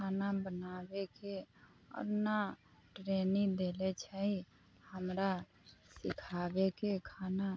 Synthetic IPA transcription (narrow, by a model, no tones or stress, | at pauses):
kʰaːnabənaːweke | ɔ̰ːɾna | ʈɾeːnĩd̪eːlet͡ʃʰɛɦi | həmɾa | sɪkʰaːbekekʰaːna